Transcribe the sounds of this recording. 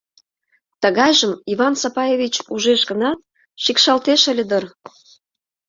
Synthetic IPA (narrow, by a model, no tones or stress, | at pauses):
t̪ə̆ɣɑjʒəmiβɑnsɑpɑjevʲit͡ɕuʒeʃɡənɑt̪̚ | ʃikʃɑlt̪eʃəlʲed̪ər